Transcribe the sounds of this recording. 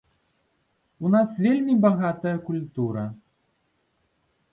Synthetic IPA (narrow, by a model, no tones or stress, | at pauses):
unasvʲelʲmʲibaɣat̪ɐjɐkulʲt̪uɾɐ